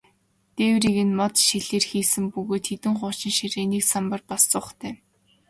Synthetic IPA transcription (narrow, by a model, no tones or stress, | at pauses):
t̪eːwriɣɘ̆nmɔt̪ʃiɮeːrxiːsɘ̆mpɵɣoːt̪xet̪ɘ̆ŋχʊ̥ːt͡ɕɪ̆nʃiɾeːniːksampə̆rpɔst͡sʊːχt̪ʰeː